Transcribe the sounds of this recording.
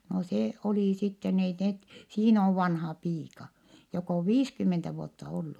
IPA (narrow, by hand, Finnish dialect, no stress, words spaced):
no se oliˑ sitːen ei net siːn oʋ ʋɑnhɑː piːkɑ jok oʋ ʋiːskymːentæ ʋuotːɑ olːu